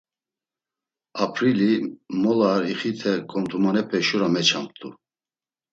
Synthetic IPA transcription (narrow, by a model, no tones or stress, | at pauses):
apʰɾilimɔlaɾiχit̪ʰɛkʼɔmt̪ʰumanɛpʰɛʃuɾamɛt͡ʃʰamt̪ʰʼṵ